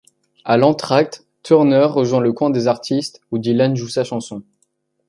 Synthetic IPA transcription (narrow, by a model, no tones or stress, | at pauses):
alɑ̃t̪χak̚t̪ː | uʁnœʁːəʒwɛ̃ləkwɛ̃d̪ezaʁt̪ʰist̪ud̪ilanʒusaʃɑ̃sɔ̃